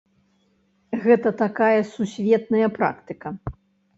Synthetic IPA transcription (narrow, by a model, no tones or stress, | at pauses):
ɣɛt̪ɐt̪akajɐsusʲvʲɛt̪̚nɐjɐpɾa̰kt̪ɨkɐ